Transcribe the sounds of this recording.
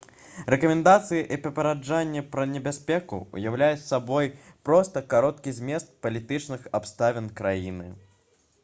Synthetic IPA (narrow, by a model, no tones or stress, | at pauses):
ɾɛkɐmʲɛnd̪at̪sɨjɛʔipɾɐpɐɾad͡ʐanʲːɛpɾɐnʲɛbʲasʲpʲɛkṵṵjawlʲajusːabɔjpɾɔst̪ɐkaɾɔt̪̚kʲizʲmʲɛst̪̚pɐlʲit̪ɨt͡ʂnɨxapst̪avʲɛnkɾajinɨ